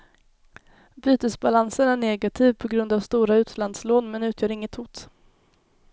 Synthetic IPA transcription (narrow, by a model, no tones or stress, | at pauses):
byːt̪əsbalansənæɳeːɡat̪ʰiːvpʰɔɡɾɵnd̪avst̪uːɾaʉ̟ːt̪land̪sloːnmɛnʉ̟ːt̪ʰjœːɾɪŋːət̪hʊːt̪